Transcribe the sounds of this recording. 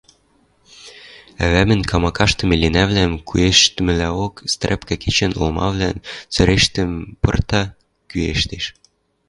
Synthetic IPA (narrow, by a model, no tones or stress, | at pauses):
æ̰βæmɘ̆nkʰɑmɑkɑʃt̪ɤ̆melenæβlæmkʰueʃt̪ɘmɘ̆læokst̪rʲepkækʰet͡ɕĕnolmɑ̰βlænt͡sø̆ɾeʃt̪ɘ̆mpɤ̰̆rt̪ɑ | kyḛʃt̪eʃ